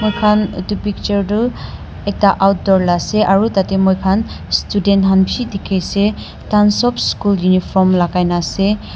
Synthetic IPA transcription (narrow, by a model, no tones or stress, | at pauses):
mɔjkʰantupik̚t͡ʃɔɾdu | ek̚taʔawt̚dɔɾlaseʔaɹutatemɔjkʰan | studentɦanpʰidikʰejse | tansɔpʰskuljunipʰɔɾmlakajnase